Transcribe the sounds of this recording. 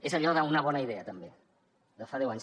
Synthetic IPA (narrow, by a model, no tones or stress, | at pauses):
ezəʎɔðaunəβɔnəiðɛət̪əmbe | d̪əfaðɛwaɲs